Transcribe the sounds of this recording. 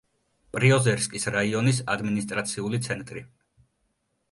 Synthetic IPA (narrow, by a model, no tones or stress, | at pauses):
pʼɾiɔzɛɾskʼisɾaiɔnis̬a̰d̪minist̪ʼɾat̪sʰiulit̪sʰɛnt̪ʼɾi